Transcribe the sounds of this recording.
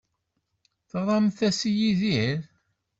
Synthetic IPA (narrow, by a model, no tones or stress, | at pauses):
θəʁɾˤɑmθæsijiðiɾ